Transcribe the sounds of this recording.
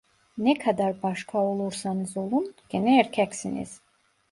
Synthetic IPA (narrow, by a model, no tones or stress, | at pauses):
nɛkʰad̪aɾbaʃkʰao̞lˠuɾsanɯzo̞lˠunɟ̥enɛːɾcʰɛcsinḭz̥